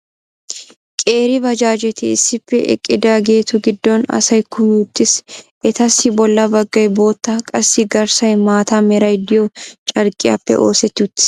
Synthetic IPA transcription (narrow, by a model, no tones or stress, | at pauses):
kʼe̞ːɾɪbɐd͡ʒaːd͡ʒɛt̪ɪɪsːɪpːɛʔɛ̰kʼːɪd̪aːɡe̞ːt̪ʊɡɪd̪ːɔnɐ̰sɐjkʰʊmɪʊt̪ːɪsʔɛt̪ɐsːɪbɔlːɐbɐɡːɐjbo̞ːt̪ːɐkʼɐsːɪɡɐɾsɐjmaːt̪ɐmɛɾɐjd̪ɪjot͡ʃʼɐɾkʼɪjɐ̰pːɛ̰ʔo̞̰ːsɛt̪ːɪʊt̪ːɪ̥